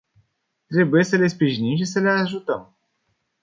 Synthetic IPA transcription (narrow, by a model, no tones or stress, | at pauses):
t̪ɾe̞buje̞səle̞spɾiʒinimʃ̬isəle̞aʒut̪əm